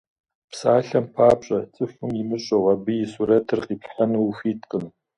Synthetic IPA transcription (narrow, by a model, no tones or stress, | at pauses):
psaːɬɐmpʰaːpɕʼɐt͡sʼɨfʊmɪmɨɕʼowabɨjɪsuɾɐtʰɨrqʼiːpɬħanuwxʷiːtʰʼqʼən